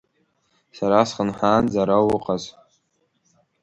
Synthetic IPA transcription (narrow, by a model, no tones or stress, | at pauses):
saɾasχənħaːnd͡zaɾawʊqʼaz